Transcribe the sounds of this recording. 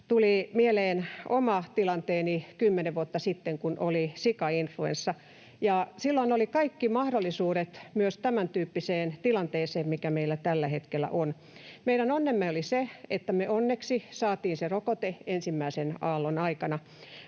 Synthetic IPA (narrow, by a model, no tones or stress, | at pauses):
t̪ulimieleːnomɑt̪ilɑnt̪eːnikymːeneʋʋuot̪ːɑsit̪ːeŋkunʔolisikɑinfluḛnsːɑ | jɑsilːoinolikɑikːimɑhdolːisuːɾet̪myøst̪æmænt̪yːpːiseːnt̪ilɑnt̪eːseːmmikæmeilːæt̪ælːæhet̪kelːˑæ̰ʔon | meiɾænonːemːeoliseet̪ːæmyøonːeksisɑːt̪iːnserokot̪eensimːæisenɑːlːonɑikɑnɑ